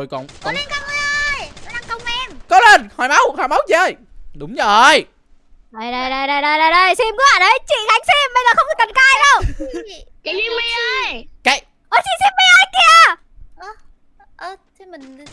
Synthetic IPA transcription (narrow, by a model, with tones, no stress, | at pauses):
jkɔ̰˧˨nkɔ˨˧˦le˧nkaː˧ŋə˧˦ʔə˧ja˨˦ɗa˨˩ŋkə˧wŋ͡mʔɛ˧mkɔ˨˦le˧˩nhɔ˨˩jma˨˦whaː˨˩mə˨˦wt͡ɕi˧˨ə˧˩jɗʊ˨˦wŋ͡mzo˩˨ʔə˨j | zə˨˩jɗə˨˩jɗa˨˧˩jɗə˨˧˩jɗə˨˩jɗə˧˩jɗə˧˩jsi˧mkɨ˨˦ha̰ː˧˨nɗə˨˦t͡ɕḭ˧˨ɣa˨˦jŋ̟si˧mɓə˧jzəː˨˩xə˧wŋ͡mɗɨ˨˩t̪ə˨˩nkaː˧ɗə˧w | ki˧i˧ə˧jke˧˩j | ʔəː˨˦sḭ˧˨si˧mɓi˧ʔəː˧jki˧˩ə | ʔ | ʔə˧˩t̪ʰi˧˦mï˨˩ŋ˨